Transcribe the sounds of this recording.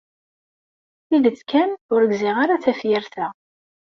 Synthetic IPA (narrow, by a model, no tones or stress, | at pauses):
iðət͡sːkænʊɾəɡzɪʁaɾat͡sæfjɪɾθæ